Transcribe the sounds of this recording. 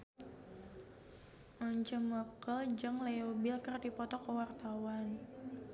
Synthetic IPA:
ʔɔɲt͡ʃəməkəd͡ʒɨŋlɛobilkərdipɔt̪ɔkəwart̪awan

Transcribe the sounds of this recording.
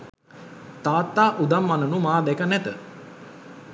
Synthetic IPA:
t̪aːt̪ːaːʔud̪amːanənumaːd̪ɛkənɛt̪ə

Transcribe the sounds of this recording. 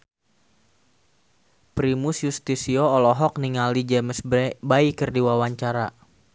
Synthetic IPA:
pɾimusjust̪isioːlɔɦɔk̚niŋalid͡ʒɛməsbaikərdiwawaɲt͡ʃaɾa

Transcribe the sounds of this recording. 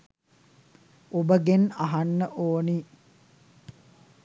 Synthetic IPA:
obəɡenaɦanːəʔoːniː

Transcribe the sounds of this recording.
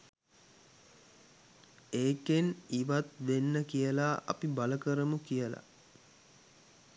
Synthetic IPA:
eːkeniʋat̪ʋenːəkijəlaʔɐ̰pibaləkəɾəmukijəla̰

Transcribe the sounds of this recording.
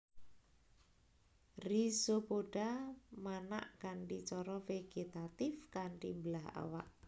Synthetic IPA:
risopoɖ̥amana̰ʔkaɳʈit͡ʃɔɾɔfeɡ̥et̪at̪ɪfkaɳʈimbəlaɦa̰wa̰ʔ

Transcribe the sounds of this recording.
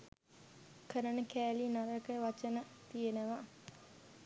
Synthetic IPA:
kəɾənəkæːlinaɾəkəʋat͡ʃənət̪ijenəʋa

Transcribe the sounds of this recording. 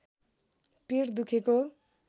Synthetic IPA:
pird̪ukʰeko

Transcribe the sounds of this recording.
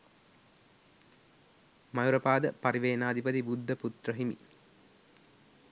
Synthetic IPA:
majuɾɐpaːd̪əpaɾiʋeːnaːd̪ipət̪ibud̪ʱːəput̪rəɦimḭ

